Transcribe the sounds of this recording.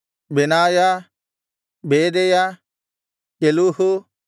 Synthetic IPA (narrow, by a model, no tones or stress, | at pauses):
bɛnaːja | bedɛja | eluhu